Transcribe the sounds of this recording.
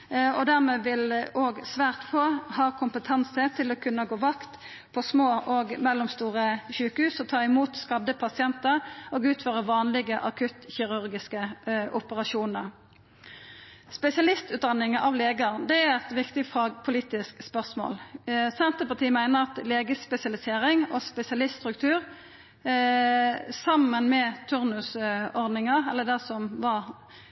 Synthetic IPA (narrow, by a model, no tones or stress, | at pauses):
ɔd̪æʁmɛːʋɪloːɡsʋæːʁt̪foːhɑːkʰʊmpət̪ʰɑnsət̪ʰɪlɔkʰʉnːəɡoːʋɑkt̪ | pʰɔsmoːʔɔɡmɛlːʊmst̪uːʁəɕʉːkəhʉːsɔt̪ʰɑːɪmuːt̪skɑd̪ːəpʰɑsɪɛnt̪əʁɔːɡʉːt̪føːʁəʋɑːnlɪɡəʔɑkʰʉt̪çɪʁʉʁɡɪskəʔʊpəʁɑʃuːnəʁ | spɛsɪɑlɪst̪ʉːt̪̚d̪ɑnɪŋəʔɑʋleːɡəd̪ɛæɾɛt̪ʋɪkt̪ɪfɑɡpʰʊliːt̪ɪskspœʁsmo̰ːlsɛnt̪əpɑt̪ʰiːmæɪnəʁɑt̪leːɡəspɛsɪɑlɪseːʁɪŋoːspɛsɪɑlɪst̪st̪ʁʉkt̪ʰʉːʁ | sɑmənmɛːt̪ʰʉʁnʉsɔʁd̪nɪŋəʁɛlːəd̪æsɔmʋɑʁ